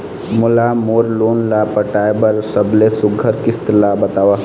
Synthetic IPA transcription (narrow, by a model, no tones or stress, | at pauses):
mʊlamoːɾloːnlaːpəʈaːebəɾsəblesʊɡʱəɾkɪst̪labɐt̪aːʋa